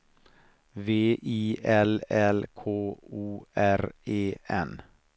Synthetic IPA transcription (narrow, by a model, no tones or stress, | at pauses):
ʋeːʔiːɛlɛlkʰoːuːʔæɾeːɛn